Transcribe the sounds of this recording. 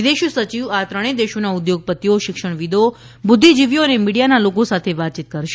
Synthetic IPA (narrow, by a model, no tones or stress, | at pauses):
d̪eʃusət͡ʃiʋat̪ɾəɽ̃ed̪eʃonaʊd̪joɡ̚pət̪ːijoʃɪkʃəɳ̃ʋid̪ʱo | bʊd̪ʱːid͡ʒiʋjoənemiɽijanalokosat̪ʰeʋat̪̚t͡ʃit̪̚kəɾʃ